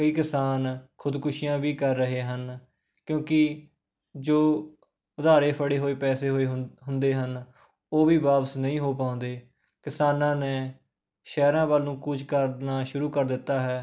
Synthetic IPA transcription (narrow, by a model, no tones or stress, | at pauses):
kəiːkɪsaːnkʰʊd̪kʊʃijãːʋiːkəɾːəɦeːɦən | kjõːkɪ | d͡ʒoː | ʊd̪aːɾeːpʰəɽeːɦoːeːpɛːseːɦoːeːɦɦʊnd̪eːɦən | oːʋiːʋaːpəsnəĩːɦoːpaːʊ̃nd̪eː | kɪsaːnãːnɛː | ʃɛːɾãːʋalnũːkut͡ʃkəɾnaːʃʊɾuːkəɾd̪ɪt̪ːaːɦɛː